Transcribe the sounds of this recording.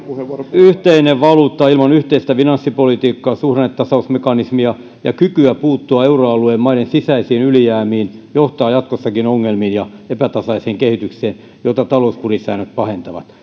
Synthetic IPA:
yht̪eineʋʋɑluːt̪ːɑilmɑnyht̪eist̪æfinɑnsːipolit̪iːkːɑːsuhreet̪tːɑsɑusmekɑnismiɑ | jɑkykyæpuːt̪ːuɑeuroɑlueːmmɑiɾensisæisiːnylijæːmiːnjoht̪ɑːjɑt̪̚kosːɑkinoŋːelmiːnjɑepæt̪ɑsɑiseːŋkehit̪ykseːn | jot̪ɑt̪ɑlouspurisæːnøt̪̚pɑhent̪ɑʋɑ̰t̪

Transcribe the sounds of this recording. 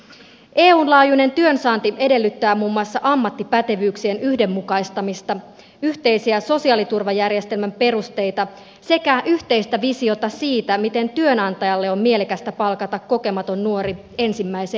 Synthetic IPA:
ʔeːuːnlɑːjune̞nt̪yø̞nsɑːnt̪ie̞de̞lːyt̪ːæːmuːmːuɑsːɑʔɑmːɑt̪ːipæt̪e̞ʋyːksienyhde̞mːukɑjst̪ɑmist̪ɑ | yçt̪e̞jsiæso̞siɑːlit̪urʋɑjærje̞st̪e̞lmæmpe̞rust̪e̞jt̪ɑ | se̞kæʔyht̪e̞ist̪æʋisio̞t̪ɑsiːt̪æmit̪e̞nt̪yønɑnt̪ɑjɑlːe̞o̞mmie̞lekæst̪æpɑlkɑt̪ɑkːo̞ke̞mɑt̪o̞nːuo̞ɾi | e̞nsimːæjse

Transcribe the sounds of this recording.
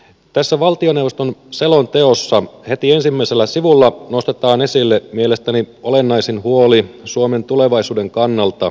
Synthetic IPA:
t̪æsːæʋɑlt̪io̞newʋost̪o̞nse̞lont̪e̞osːɑhe̞t̪ie̞nsimːæise̞lːæsiʋulːɑno̞st̪et̪ɑːne̞silːemiele̞st̪æniolenːɑjsinhuolisuome̞nt̪ule̞ʋɑjsuːde̞ŋkɑnːɑlt̪ɑ

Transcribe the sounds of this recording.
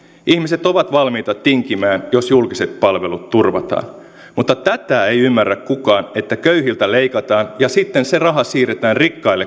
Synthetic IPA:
ihmiset̪o̞ʋɑt̪ʋɑlmiːt̪ɑt̪iŋkimæːnjo̞sjulkise̞t̪̚pɑlʋe̞lut̪turʋɑt̪ɑ̰ːn | mut̪ːɑt̪æt̪æːe̞jymːærːækkukɑːne̞t̪ːækøyɦilt̪ælejkɑt̪ɑːnjɑsit̪ːense̞rɑɦɑsiːɾet̪æːnrikːɑilːe

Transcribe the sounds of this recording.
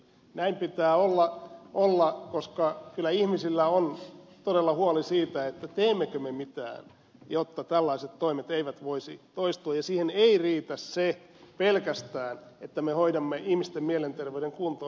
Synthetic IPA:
næimpit̪æːolːɑʔolːɑkoskɑkylːˑæihmisilːæont̪odelːɑhuɑlisiːt̪æet̪ːæt̪eːmːekømemit̪æ̰ːn | jot̪ːɑt̪ælːɑiset̪toimet̪eiʋæt̪ʋoisḭt̪oist̪uɑjɑsiːheneiriːt̪æsse | pelkæst̪æːnet̪ːæmehoidɑmːeʔihmist̪emmielent̪erʋeyɾeŋkunt̪o

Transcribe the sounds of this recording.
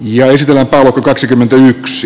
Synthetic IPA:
jɑesit̪elːæmpæˑːolokːɑkɑksikymːent̪æyks

